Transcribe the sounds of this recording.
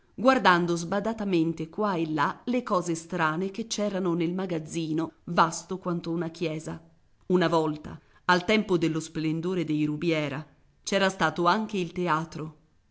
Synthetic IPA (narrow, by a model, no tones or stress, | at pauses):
ɡward̪and̪ozbad̪at̪ament̪ekwaelːalekɔːzest̪ɾaːnek̟et͡ʃːɛːɾanonelmaɡad̪zːiːnovast̪okwant̪ounakjɛːza | unavɔlt̪a̰ː | lt̪ɛmpod̪elːosplend̪oːɾed̪ejɾubjɛːɾa | t͡ʃɛːɾast̪aːt̪oaŋk̟eilt̪eaːt̪ɾo